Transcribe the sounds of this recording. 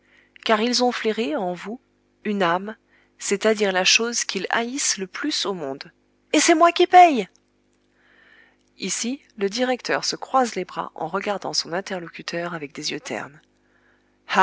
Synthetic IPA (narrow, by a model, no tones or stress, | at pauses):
kaʁilzɔ̃fleʁeɑ̃vu | ynam | set̪ad̪iʁlaʃozkʰʲila̰isləplysomɔ̃d̪ | esɛmwakʲipɛj | isi | ləd̪iʁɛkt̪ʰœʁsəkχwazlebʁa̰ʔɑ̰̃ʁəɡaʁd̪ɑ̃sɔ̃nɛ̃t̪ɛʁlɔkʲyt̪ʰœʁavɛk̚d̪ezjøt̪ʰɛ̰ʁn | h